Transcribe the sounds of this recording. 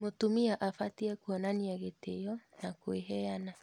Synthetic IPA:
motumiaʔafatiɛkwɔnaniaɣetejɔnakoeɦɛana

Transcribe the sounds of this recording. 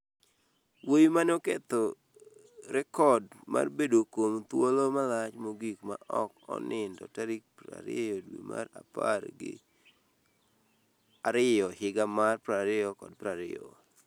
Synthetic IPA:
wojmanoket̪o | ɾɛkɔdma̰rbedokomt̪wolomalat͡ʃmoɡikma̰ʔɔkɔ̰nɪndɔ̰taɾik̚pɾa̰ɾɪ̰jɔdwḭmʔa̰ɾa̰parɡɪ̰ | aɾɪjɔhɪɡamarpɾaɾɪjɔkɔdpɾaɾɪɔ̰

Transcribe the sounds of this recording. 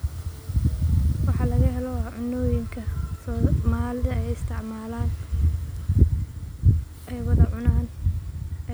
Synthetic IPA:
wɑħɑlɐɣɐɦɛlɔʕʊnɔːjɪŋkʰɐsmaːld̪ɐɛjɪst̪ʰɪʕmaːlaːn | ʔɛjwɐðɐʕʊnaːn

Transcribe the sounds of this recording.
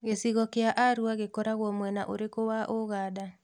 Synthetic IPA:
ɣesiɣɔkeaʔaɾuaɣekɔɾaɣwɔmwɛnaʔo̰ɾekowaʔoɣaːda

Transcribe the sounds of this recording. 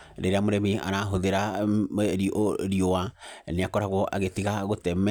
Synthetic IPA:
ɾeɾeamoɾɛmia̰ɾaɦoðeɾa | ɾiɾiowaneakɔɾaɣwɔʔa̰ɣetiɣaɣotɛmɛ

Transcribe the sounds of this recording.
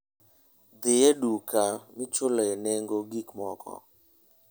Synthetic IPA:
d̪ɪjɛdukamɪt͡ʃʊlɔɛnɛŋɡoɡikmɔkʰɔ̰

